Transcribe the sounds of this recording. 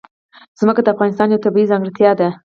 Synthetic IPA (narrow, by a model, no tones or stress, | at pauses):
z̥məkad̪əafɣɑnɪs̬t̪ɑnjawt̪abiizɑŋɡɾɪt̪jɑd̪a